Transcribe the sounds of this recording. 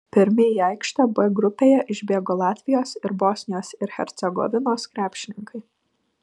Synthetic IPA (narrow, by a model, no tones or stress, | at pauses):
pʲɪɾʲmʲɪjiɐɪkʃt̪ɐbʊɐɡɾʊpʲeːjɛʔɪʒʲbʲeɛɡoːlˠɑːt̪ʲʋʲɪjoːsɪɾbosʲnʲɪjoːsɪɾxʲɛ̰ɾʲt̪sʲɛɡɔ̰ʋʲɪnoːskɾʲæːpʲʃʲɪnʲɪŋkɐɪ